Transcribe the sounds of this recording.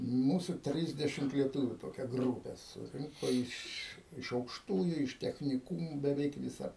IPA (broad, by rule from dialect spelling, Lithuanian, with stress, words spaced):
ˈmuːsʊ ˈtʲrʲɪzʲdʲɛʃʲɪmt lʲiɛˈtʊʋʲʊ toːˈkʲɛ ˈɡruːpʲɛ sʊˈrʲɪŋkoː ˈɪʃ ɪʃ ɐʊkʃˈtuːjʊ ɪʃ tʲɛxʲnʲɪˈkʊmuː bʲɛˈʋʲɛɪk ʋʲɪˈsɐ